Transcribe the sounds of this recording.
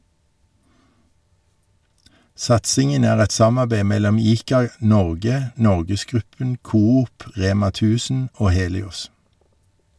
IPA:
ˈsɑtsɪŋən ˈæːʁ ˈɛt ˈsɑmɑbeɪ ˈmɛlɔm ˈiːkɑˌnɔʁɡə ˈnɔʁɡəsˌɡʁʉpən ˈkuːˌuːp ˈʁeːmɑ ˈtʉːsn̩ ˈoː ˈheːlɪʊs

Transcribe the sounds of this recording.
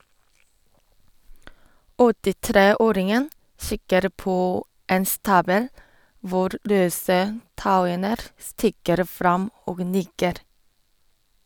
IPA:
ɔtɪˈtɾeːˌoːɾɪŋən ˈsɪkəɾ ˈpoː ˈeːn ˈstɑːbəl ˈʋʊɾ ˈɾøːsə ˈtaʊənəɾ ˈstɪkəɾ ˈfɾɑm ˈoːɡ ˈnɪkəɾ

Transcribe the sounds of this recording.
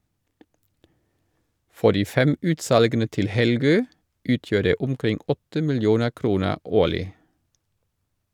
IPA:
ˈfɔ ˈdiː ˈfɛm ˈʉːtˌsɑlɡənə ˈtɪl ˈhɛlˌɡøː ˈʉːtjøː ˈdeː ˈʊmˌkʁɪŋ ˈɔtə mɪlˈjuːnə ˈkɾuːnə ˈoːlɪ

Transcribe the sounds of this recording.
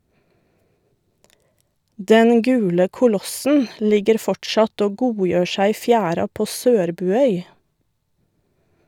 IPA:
ˈdɛn ˈɡʉːlə kʊˈlɔsn̩ ˈlɪɡəɾ ˈfɔʈʃɑt ˈoː ˈɡuːˌjøː ˈʃæɪ ˈiː ˈfjæːɾɑ ˈpoː ˈsøːɾbʉːˌœʏ

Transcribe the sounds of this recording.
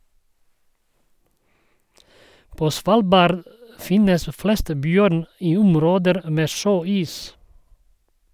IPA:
ˈpoː ˈsʋɑːlˌbɑːɾd ˈfɪnəs ˈflɛst ˈbjœɾn ˈiː ˈʊmˌɾoːdəɾ ˈmeː ˈʃøːˌiːs

